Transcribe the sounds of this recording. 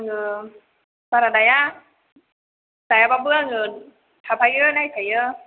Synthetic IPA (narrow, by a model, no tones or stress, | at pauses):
aŋɯ | baɾadaja | d̥ajababɯaŋɯ | tʰapʰajɯnajsajɯ